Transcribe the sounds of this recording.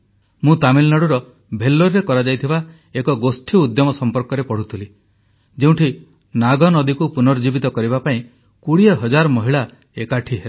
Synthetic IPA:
mũt̪amilnaɽuɾɔ | bʱelːoɾɾekɔɾad͡ʒajt̪ʰiba | ekɔɡosʈʰiud̪jɔmɔsɔmpɔɾkɔɾepɔɽ̤ut̪ʰili | d͡ʒeũʈʰi | naɡɔnɔd̪ikupunɔɾd͡ʒibit̪ɔkɔɾibapaĩ | kuɽieɦɔd͡ʒaɾɔmɔɦiɭa | ekaʈʰiɦe

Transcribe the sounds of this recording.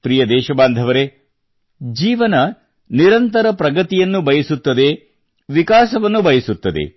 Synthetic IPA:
pɾijɐd̪ɛːʃɐbaːnd̪ʱɐʋɐɾe | d͡ʒiːʋɐnɐ | niɾɐnt̪ɐɾɐpɾɐɡɐt̪ijɐnːubɐjɐsut̪ːɐd̪e̞ | ʋikaːsɐʋɐnːubɐjɐsut̪ːɐd̪e̞̰

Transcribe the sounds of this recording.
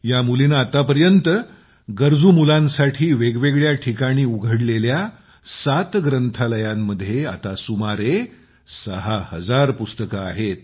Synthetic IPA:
jamulinaːt̪apəɾjənt̪ə | ɡəɾd͡zuːmulãnsaʈʰiːʋeɡʋeɡɭjaʈʰikaɽ̃iːuɡʱəɽlelja | sat̪ɡɾənt̪ʰaləjamːəd̪ʱjeat̪asumaɾe | səɦahəd͡zaɾpust̪əkaa̰ɦet̪̚

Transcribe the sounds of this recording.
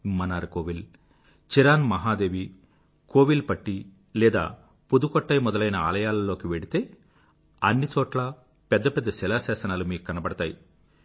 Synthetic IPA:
mɐnaːɾkoːʋil | t͡ʃiɾaːnmɐɦaːd̪eːʋi | koːʋilpɐʈːi | lɛːd̪a̰ː | pud̪ukɔʈːɐjmɔd̪ɐlɐjnɐa̰ːlɐjaːlɐlo̞ːkiʋeɽit̪e̞ː | ɐnːit͡ʃɔːʈlɐ | pɛd̪ːɐpɛd̪ːɐsɛlaːsɛːsɐnaːlumiːkukɐnɐbɐɽɐt̪aːji

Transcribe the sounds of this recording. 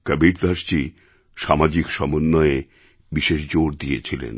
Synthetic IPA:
kəbiplast͡ɕi | ʃamad͡ʑikʃɔmonːɔee | biʃeʃd͡ʑoɾd̪iet͡ɕʰilḛn

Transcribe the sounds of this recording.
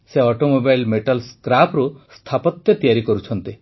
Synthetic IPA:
seɔʈomobajlmeʈalskɾapɾust̪ʰapɔt̪jɔt̪ijaɾikɔɾut͡ʃʰɔnt̪i

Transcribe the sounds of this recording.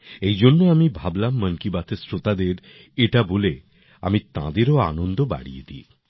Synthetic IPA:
ejd͡ʑonːoamibʱablamːənkibat̪ʰesɾot̪ad̪eɾ | eʈabole | a̰mit̪ã̰d̪eɾoa̰nond̪oba̰ɽḭḛd̪ḭ

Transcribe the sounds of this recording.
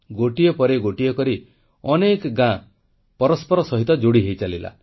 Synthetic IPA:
ɡoʈijɔpɔɾeɡoʈijɔkɔɾi | ɔnekɡã | pɔɾɔspɔɾɔsɔɦit̪ɔd͡ʒoɽiɦejt͡ʃalila̰

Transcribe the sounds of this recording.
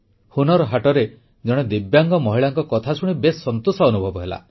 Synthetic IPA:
hunɔɾɔɦaʈɔɾe | d͡ʒɔɽ̃ɔd̪ibjaŋɡɔmɔɦiɭaŋkɔkɔt̪ʰasʰuɽ̃ibesːɔnt̪usɔːnubʱɔbɔɦela̰

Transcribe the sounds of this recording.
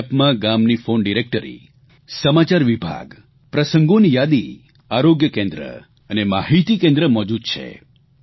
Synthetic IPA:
pmãɡamnifonɖiɾek̚ʈəɾḭ | səmat͡ʃaɾʋibʱa̰ɡ | pɾəsəŋɡonijad̪i | aɾoɡjəkẽnd̪ɾə̰ | ənemaɦit̪ikẽnd̪ɾəmɔd͡ʒud̪̚t͡ʃʰḛ

